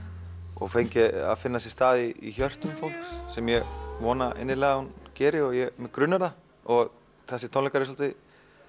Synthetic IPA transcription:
ɔ̰ɣfejɲcɪa̰ðfɪnːasɛst̪aːðɪḭçœr̥t̪ʏmfowlksɛmjɛɣvɔːnaʔḛnːɪlɛːɣahuncɛːɾɪɔɣjɛmɛkɾʏnːaɾða | ɔɣ | θɛsːɪt̪ʰownlɛkaɾɪsɔlt̪ɪ

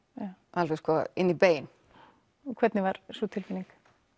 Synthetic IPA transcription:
jaalfeskɔɪnːipeːjn | kʰvɛt̪nɪvaɾsut̪ʰɪlfiniŋk

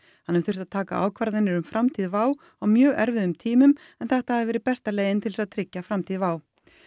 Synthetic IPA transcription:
hhanːɪmθʏr̥t̪aðt̪ʰaːka̰ʔa̰ːwkʰvaɾðɪnːɪɾʏmfɾʔamt̪ʰiːðvaːw | awmjœːɣɛ̰ɾvɪðʏmt̪ʰiːmʏm | ɛnθɛht̪aavɛːɾɪpɛst̪aleːjɪnt̪ʰɪlsaðt̪ʰɾɪcːafɾamt̪ʰiːðvaːw

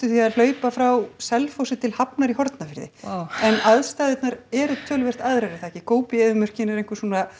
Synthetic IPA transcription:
t̪ʏθiaðl̥œːɥpafɾawsɛlfowsɪt̪ʰɪlhapnaɾiɦɔɾt̪nafɪɾðɪ̰ɛnaðst̪aːðɪt̪naɾɛɾʏt̪ʰœːlʏvɛr̥t̪aðɾɛɾɪ̥θaɛcɪkoːwpɪɛðʏmœr̥cɪnɛɾejŋkvʏ̥ɾsuːna

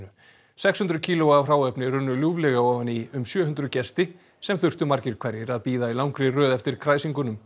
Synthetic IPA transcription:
nʏ | sɛkshʏnt̪ɾʏcʰiːlʊavr̥aːwɛpnɪɾʏnːʏljuːvlɛɣaɔːvaniʏmsjœːɦʏnt̪ɾʏcɛst̪ɪ | sɛmθʏr̥t̪ʏmaɾcɪɾkʰvaɾjɪɾaðpiːðailawŋkɾɪrœːðɛft̪ɪɾ̥kʰɾaːjsiŋkʏnʏm

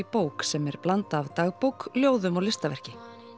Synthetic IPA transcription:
ipoːwksɛmɛɾ̥plant̪aːvt̪aːɣpowkljoːwðʏmɔlɪst̪avɛr̥cɪ

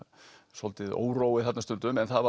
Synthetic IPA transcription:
sɔlt̪ɪðo̰ːwroːwɪθat̪nast̪ʏnt̪ʏmɛnθaðva

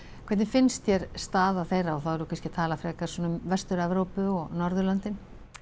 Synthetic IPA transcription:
kʰvɛjt̪nɪfɪnst̪jɛɾ̥st̪aːðaθejrːaɔθawɛɾʏkʰanscɪt̪ʰaːlafɾɛːkaɾ̥sɔnʏmvɛst̪ʏɾɛvɾowpʏɔɣnɔɾðʏlant̪ɪn

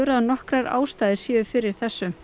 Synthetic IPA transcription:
ɾaðanɔhkɾaɾa̰ːwst̪aːjðɪ̥sjɛːʏfɪɾɪɾ̥θɛsːʏ

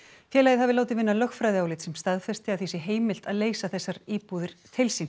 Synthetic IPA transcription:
fjɛːɾlajɪðhavɪlaːwt̪ɪðvɪnːalœxfɾajðɪaːwlɪt̪sɛmst̪aðfɛst̪ɪawθisɪɦeːjmɪl̥t̪aðleːjsaθɛsːaɾiːpuðɪɾ̥t̪ʰɪlsi

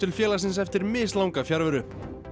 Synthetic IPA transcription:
ɪlfjɛːlas̬ɪnsɛft̪ɪɾmɪːslawŋkafjaɾvʏɾʏ

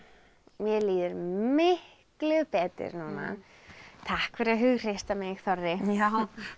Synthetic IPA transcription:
mjɛliːðʏɾmɪh | klʏpɛːt̪ɪ̰ɾnuːna̰ | t̪ʰahkfɛɾɪɾaðɦʏɣr̥ejst̪amɪɣθɔrːɪ

